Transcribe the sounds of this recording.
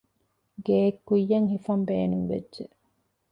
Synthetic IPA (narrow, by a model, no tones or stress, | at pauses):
ɡeːkːujːɐŋhifɐmbeːnuŋʋḛdʒe